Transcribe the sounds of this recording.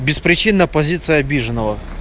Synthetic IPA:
bʲɪspɾʲɪt͡ɕinːəpɐzʲit̪sɨjəɐbʲiʐɨnːəvə

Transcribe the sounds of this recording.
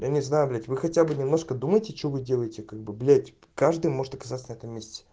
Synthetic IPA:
janʲɪznajʊblʲætʲvɨxɐtʲabɨnʲɪmno̞ʂkəd̪uməjɪtʲɪt͡ɕɪvovɨdʲe̞lˠəjɪtʲɪkaɡ̚bɨblʲætʲ | kaʐd̪ɨjmo̞ʐɨt̪ɐkɐ̥zat̪sənɛt̪əmːʲesʲtʲɪ̥

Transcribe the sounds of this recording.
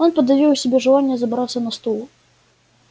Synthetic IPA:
onpəd̪ːɐvʲiwsʲɪbʲeʐɨlˠanʲːɪjəzɐbɾat̪sənɐst̪ulˠ

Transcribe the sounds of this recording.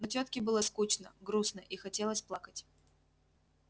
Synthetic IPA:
nɐt͡ɕat̪kʲɪbɨlˠəskut͡ɕnəɡɾusnəʔixɐtʲe̞lˠəsʲplˠakətʲ

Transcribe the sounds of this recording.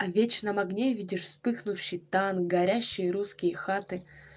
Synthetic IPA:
ɐvʲet͡ɕnɐmɐɡnʲevʲidʲɪʂspɨxnʊfɕːɪjt̪anɡɐɾʲæɕːɪjəɾuskʲɪjəxat̪ɨ

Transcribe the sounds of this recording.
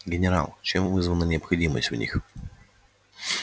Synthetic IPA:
ɡʲɪnʲɪɾa̰lˠt͡ɕemvɨzvənənʲɪəpxɐdʲimə̰sʲtʲvnʲḭx

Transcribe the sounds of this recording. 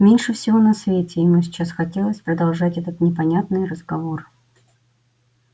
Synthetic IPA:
mʲenʲʂɨfsʲɪvo̞nɐsvʲetʲɪjɪmusʲɪ̥t͡ɕːasxɐtʲe̞lˠəsʲpɾəd̪ɐlˠʐatʲɛt̪ət̪nʲɪpɐnʲat̪nɨjrəzɡɐvo̞r

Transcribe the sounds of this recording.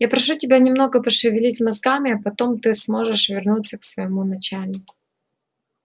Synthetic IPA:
japɾɐʂutʲɪbʲanʲɪmno̞ɡəpəʂɨvʲɪlʲitʲmɐzɡamʲɪɐpɐt̪o̞mt̪ɨsmo̞ʐɨʂvʲɪrnut̪sːəksvəjɪmunɐt͡ɕælʲnʲɪkʊ

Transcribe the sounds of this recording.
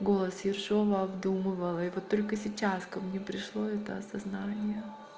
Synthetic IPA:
ɡo̞lˠəsjɪrʂo̞vəɐbd̪umɨvəlˠɪvo̞t̪ːo̞lʲkəsʲɪt͡ɕaskɐmnʲepɾʲɪʂlˠo̞ɛt̪əɐsɐznanʲɪjə

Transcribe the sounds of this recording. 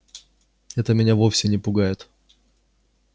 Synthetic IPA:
ɛt̪əmʲɪnʲavofsʲɪnʲɪpʊɡajɪt̪

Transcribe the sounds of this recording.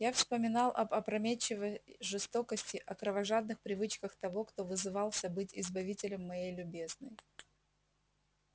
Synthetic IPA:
jafspəmʲɪnɑlˠʔɐbɐpɾɐmʲet͡ɕːɪvəʐɨst̪o̞kəsʲtʲɪʔɐkɾəvɐʐad̪̚nɨxpɾʲɪvɨt͡ɕkəxt̪ɐvo̞kt̪o̞vɨzɨvɑlˠsʲɐbɨtʲɪzbɐvʲitʲɪlʲəmːɐjejlʲʊbʲe̞znəj

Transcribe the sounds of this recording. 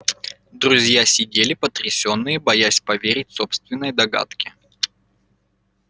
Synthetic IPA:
d̪ɾʊzʲjasʲɪdʲelʲɪpət̪ɾʲɪsʲo̞nːɨjəbɐjasʲpɐvʲeɾʲɪt̚ʲso̞pst̪vʲɪnːəjd̪ɐɡa̰t̪kʲɪ̥

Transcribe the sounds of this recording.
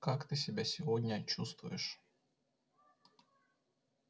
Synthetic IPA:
kakt̪ɨsʲɪbʲasʲɪvodʲnʲət͡ɕust̪vʊ̰jɪʂ

